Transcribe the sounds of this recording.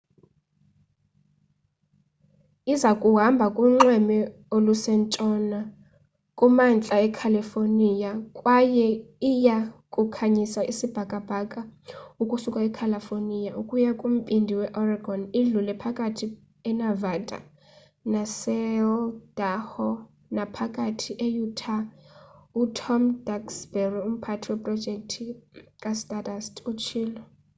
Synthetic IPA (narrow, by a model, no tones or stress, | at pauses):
izakʼuɦambʱakʼuŋ͡ǁɛmɛ | olusɛntʼɔna | kʼumant͡ɬʼaɛkʰalifonijakʼwajɛijakʼukʰaɲisaʔisib̥ʱakʼab̥ʱakʼaukʼusukʼaɛkʰalafonijaukʼujakʼum̩pʼindʱiwɛʔɔraɡʱɔniɮulɛpʰakʼatʰi | ɛnavatʼa̰ | nasɛld̥ahɔ | napʰakʼatʰiʔɛjutʰa | utʰɔmd̥aksbɛrium̩pʰatʰiwɛpʼrɔd̥d͡ʒʱɛk̚ʼtʰikʼastʼatʼastʰʼut͡ʃʰiːlɔ